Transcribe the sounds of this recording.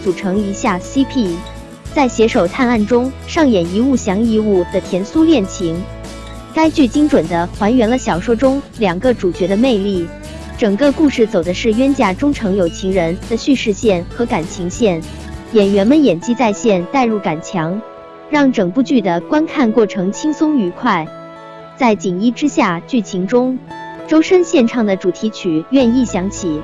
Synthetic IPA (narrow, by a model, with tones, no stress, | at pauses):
t͡su˨˩ʈ͡ʂʰɤ˧˥ŋi˧˥ɕja˥˩si˥pʰi˥˩ | t͡sa˥˩ɪɕjɛ˧˥ʂo˨˩ʊt̪ʰa˥˧na˥˩nʈ͡ʂʊ˥ŋ | ʂɑ˥˩ŋjɛ˨˩ni˧˥u˥˩ɕjɑ˧˥ŋi˥˧u˥˩d̪̥ə˩t̪ʰjɛ˧˥nsu˥ljɛ˥˩nt͡ɕʰi˧˥ŋ | ka˥ɪt͡ɕy˥˩t͡ɕi˥ŋʈ͡ʂwə˨˩nd̪ə˦xwa˧˥nɥɛ˧˥nlə˧ɕjɑ˨˩ʊʂwɔ˥ʈ͡ʂʊ˥ŋljɑ˨˩ŋɡə˦ʈ͡ʂu˨˩t͡ɕɥɛ˧˥d̪ə˧me˥˧ɪli˥˩ | ʈ͡ʂɤ˨˩ŋkə˥˧ku˥˧ʂɻ̩˥˩t͡so˨˩ʊd̪ə˦ʂɻ̩˥˩ɥɛ˥nt͡ɕja˥˩ʈ͡ʂʊ˥ŋʈ͡ʂʰɤ˧˥ŋjo˨˩ʊt͡ɕʰi˧˥ŋɻə˧˥nd̪̥ə˧ɕy˥˧ʂɻ̩˥˧ɕjɛ˥˩nxɤ˧˥ka˨˩nt͡ɕʰi˧˥ŋɕjɛ˥˩n | jɛ˨˩nɥɛ˧˥nmə˧˨njɛ˨˩nt͡ɕi˥t͡sa˥˧ɪɕjɛ˥˧nt̪a˥˧ɪɻu˥˩ka˨˩nt͡ɕʰjɑ˧˥ŋ | ɻɑ˥˩ŋʈ͡ʂɤ˨˩ŋpu˥˧t͡ɕy˥˩d̪ə˩kwa˥nkʰa˥˧nkwɔ˥˩ʈ͡ʂʰɤ˧˥ŋt͡ɕʰi˥ŋsʊ˥ŋy˧˥kʰwa˥˩ɪ | t͡sa˥˩ɪt͡ɕi˨˩ŋi˥˩ʈ͡ʂɻ̩˥ɕja˥˧t͡ɕy˥˩t͡ɕʰi˧˥ŋʈ͡ʂʊ˥ŋʈ͡ʂo˥ʊʂə˥nɕjɛ˥˧nʈ͡ʂʰɑ˥˩ŋd̪ə˩ʈ͡ʂu˨˩t̪ʰi˧˥t͡ɕʰy˨˩˦ɥɛ˥˧ni˥˩ɕjɑ˧˥ŋt͡ɕʰi˨˩˦